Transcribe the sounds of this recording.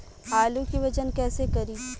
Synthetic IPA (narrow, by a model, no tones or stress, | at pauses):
ɦaːlũkiʋɐd͡ʒənkɛːsekɐɾiː